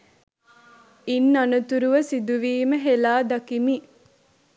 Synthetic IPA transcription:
inːanɐt̪uɾuʋəsid̪uʋiːməɦelaːd̪ɐkimi

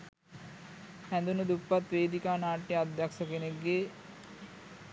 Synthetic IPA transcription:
hænd̪unəd̪upːat̪ʋeːd̪ikaːnaːʈːiad̪jaksəkeneɡːe

